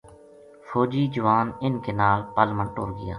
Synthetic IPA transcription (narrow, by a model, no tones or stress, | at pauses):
fʰoːd͡ʒiːd͡ʒʊʋaːnɪnkeːnaːlpəlmə̃ɳʈoːɾɡɪja̰ː